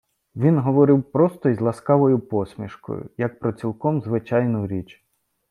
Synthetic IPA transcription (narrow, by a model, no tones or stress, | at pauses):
ʋʲinɦɔʋɔɾɪwpɾɔst̪ɔjzʲlˠɐskɑʋɔjʊpɔsʲmʲiʃkɔ̰jʊ̰jɐk̚pɾɔt͡sʲilˠkɔmzʋɪt͡ʃɑjnʊɾʲit͡ʃ